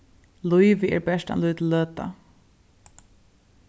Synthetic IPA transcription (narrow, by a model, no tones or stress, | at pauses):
lujvɪɛ̰ɹbɛʂt̪a̰nlujt̪ʰlløːt̪a̰